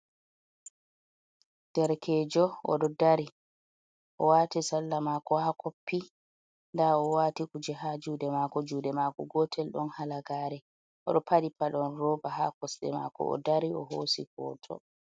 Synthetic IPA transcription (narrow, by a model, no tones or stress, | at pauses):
d̥ɛɾkʰɛːd͡ʒɔɔ̰ɗɔdaɾi | ʔɔwaːtisalːamaːkɔhakʰopːi | ndaɔwaːtikud͡ʒɛhad͡ʒuːdɛmaːkɔd͡ʒuːdɛmakɔɡɔtʰɛlɗɔnhalaɡaːɾɛ | ʔɔɗɔpʰadipaɗɔnɾɔbahakɔsɗɛ̰ma̰kɔ̰ɔ̰daɾiɔɦoːsikɔ̰ːtʰɔ̰